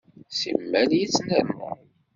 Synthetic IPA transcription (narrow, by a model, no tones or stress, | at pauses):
sḭmːæljit͡sːnəɾmə̰ɾ